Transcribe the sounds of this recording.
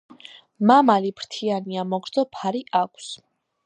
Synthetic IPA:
mamalipɾt̪ʰianiamɔɡɾd̪zɔpʰaɾiʔakʷʰs

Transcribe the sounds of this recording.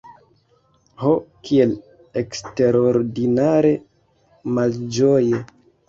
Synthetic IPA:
hokʰie̞l | eksteɾoɾdinaɾe̞ | mald͡ʒoje

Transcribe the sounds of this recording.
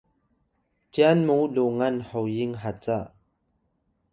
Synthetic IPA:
t͡ɕjanmuluŋanhowjiŋɦat͡saʔ

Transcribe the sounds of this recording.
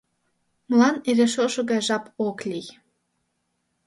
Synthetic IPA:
məlɑniɾeʃoʃoɣɑjʒɑpoklʲij

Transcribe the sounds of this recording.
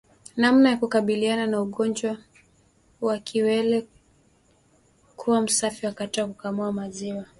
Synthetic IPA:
namnajakukaɓiliananauɠɔnd͡ʒwa | wakʰiwɛlɛ | kʰuwam̩safiwakatɔakukamuamaziwa

